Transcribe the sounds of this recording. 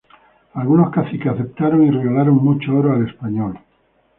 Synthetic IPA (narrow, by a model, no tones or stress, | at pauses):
alɣuno̞skasikeaθe̞p̚t̪aɾoŋireɣalaɾoŋmut͡ʃooɾoale̞spaɲol